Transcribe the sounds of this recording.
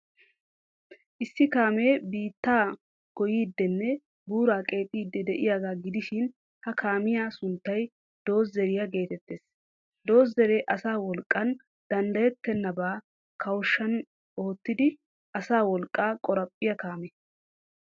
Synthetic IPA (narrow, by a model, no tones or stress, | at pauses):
ʔɪsːɪkaːmeːbiːt̪ːaː | ɡ̥ɔjiːd̪ːɛnːɛ | buːɾaːkʼe̞ːpʼiːd̪ːɛd̪ɛʔɪjaːɡaːɡɪd̪ɪʃɪn | hɐkʰaːmɪjaːsʊnt̪ːɐj | d̪̥o̞ːzːɛɾɪjɐɡe̞ːt̪ɛt̪ːeːs | d̪o̞ːzɛɾeːʔɐsaːwɔlkʼːɐn | d̪̥ɐnd̪ɐjɛt̪ːɛnːɐbaː | kʰɐwʃːɐn | o̞ːt̪ːɪd̪ɪ | ʔɐsaːwɔlkʼːaːkʼɔɾɐpʼːɪjɐkaːmɛ